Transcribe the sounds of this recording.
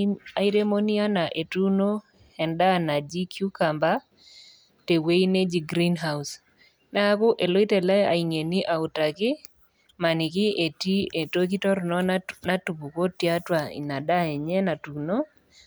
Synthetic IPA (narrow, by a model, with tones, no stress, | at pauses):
a˨i˦ɾe˦mo˦ni˦a˦na˨ʔe˨tu˦no˦ | hɛ˨nda˦na˨d͡ʒi˦kʰju˦ka˨mba˦ | te˨we˦i˦ne˦d͡ʒi˨ɡɾi˦nɦa˦us | na˦a˦kʊ˦ʔe˨lo˦i˦tɛ˨lɛ˦a̰˨i˨ŋe˨ni˦ʔa˨ʊ˨ta˨kɪ˦ | ma˨ni˨kɪ˦e˨ti˦e˨to˦ki˦tɔ˦ɾnɔ˦na˦tu˨pu˨ko˦tja˦twa˨ḭ˨na˨da˦ɛ˨ɲɛ˦na˨tu˨no˦